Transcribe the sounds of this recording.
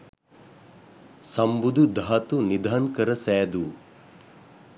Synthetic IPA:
sɐmbud̪ud̪ʱaɐt̪unid̪ʱaːnkɐɾɐsɛːd̪u

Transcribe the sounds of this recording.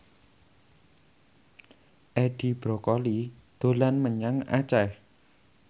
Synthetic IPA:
ʔɛɖ̪̥i̤b̥ɾɔkɔli | d̪̥o̤lanməɲaŋa̰t͡ʃɛh

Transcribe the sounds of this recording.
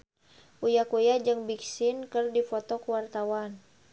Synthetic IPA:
ʔujakujad͡ʒɨŋbiksɪnkərdifɔt̪ɔkəwart̪awan

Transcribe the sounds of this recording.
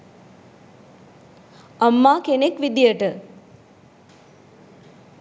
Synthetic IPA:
ɐmːaːkenekʋid̪ijəʈə

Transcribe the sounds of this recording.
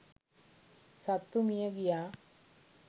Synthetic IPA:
sɐt̪ːumijaɡija

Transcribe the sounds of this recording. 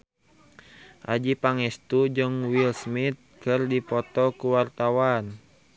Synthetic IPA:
ʔa̰d͡ʒipaŋɛst̪ud͡ʒɨŋwilsmit̪̚kɨrdipɔt̪ɔkuwart̪awan

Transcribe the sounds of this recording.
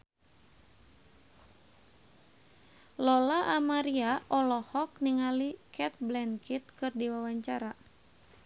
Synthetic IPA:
lɔlaʔamaɾiaʔɔlɔhɔk̚niŋalikɛt̪̚blɛnkit̪̚kɨrdiwawaɲt͡ʃaɾa

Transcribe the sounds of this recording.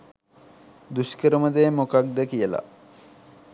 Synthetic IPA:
d̪uskəɾəməd̪eːmokak̚d̪əkijəla̰

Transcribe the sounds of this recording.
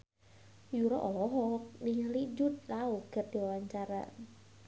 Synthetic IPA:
juɾɔʔɔlɔɦɔk̚niŋəlid͡ʒʊt̪̚lauɡ̥ər̚d̪̥iwawaɲt͡ʃaɾa̰

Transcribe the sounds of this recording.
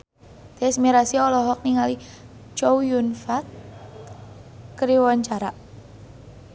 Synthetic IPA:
t̪ɛsmiɾasiɔlɔɦɔk̚niŋali | t͡ʃowjunfat̪̚ | əɾiwɔɲt͡ʃaɾa

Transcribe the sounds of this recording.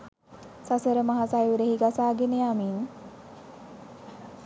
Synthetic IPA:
sasəɾəmaɦasajʋuɾeɦiɡasaːɡenejamin

